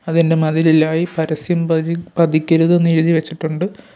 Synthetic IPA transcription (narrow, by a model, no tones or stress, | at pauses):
ɐðinde̞mɐðililaːjipɐɾɐsjɐmpɐd̪ʱikʲːɐɾuðenːiɾuðiʋet͡ɕːiʈːuɳɖɨ